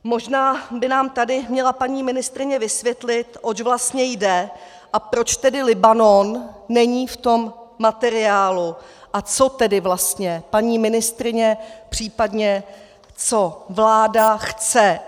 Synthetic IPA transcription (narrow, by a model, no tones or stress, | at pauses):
mo̞ʒnaːbɪnaːmt̪adɪmɲɛlapaɲiːmɪnɪst̪ɾɪɲɛvɪsvjɛt̪lɪt̪ʔot͡ʃvlast̪ɲɛjdɛ | ʔapɾo̞t͡ʃt̪ɛdɪlɪbano̞nːɛɲiːft̪o̞mːat̪ɛɾɪaːluʔat͡so̞t̪ɛdɪvlast̪ɲɛpaɲiːmɪnɪst̪ɾɪɲɛpr̝̥iːpadɲɛ | t͡so̞vlaːdaxt͡sɛ